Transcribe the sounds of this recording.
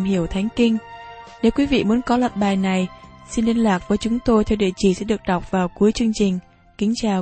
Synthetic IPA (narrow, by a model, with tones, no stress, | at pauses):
mɦi˧˩əwt̪ʰa˨˦jŋ̟kï˧ŋ̟ne˨˦wkwi˨˦vḭ˧˨mu˨˦nkɔ˨˦lə˧˨˩t̚ɓaː˨˩jna˨˩j | si˧nli˧ənlwaː˨˩k̚vəː˨˦jt͡ɕʊ˨˦ŋ͡mt̪o˧jt̪ʰɛ˧wɗḭ˧˨t͡ɕi˧˩sɛ̰˧˥ɗɨ˨˩ək̚ɗa˨˩wk͡p̚vaː˨˩wku˨˦əjt͡ɕɨ˧əŋt͡ɕï˨˩ŋ̟ | kï˨˦ŋ̟t͡ɕaː˨˩w